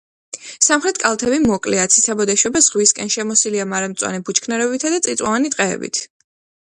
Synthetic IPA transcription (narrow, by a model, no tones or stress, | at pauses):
samχɾɛt̪̚ʰkʼalˠt̪ʰɛbimɔkʼlɛat̪sʰi̥sabɔd̪ɛʃɛbazʁwiskʼɛnʃɛmɔsiliamaɾɛmt̪sʼwa̰nɛbut͡ʃʰkʰnɛɾɛbit̪ʰad̪at̪sʼit̪sʼavanit̪ʼqʼɛɛ̰bḭt̪ʰ